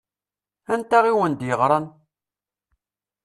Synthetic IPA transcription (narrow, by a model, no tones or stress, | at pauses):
ænt̪æʁiwənd̪jəʁɾˤɑn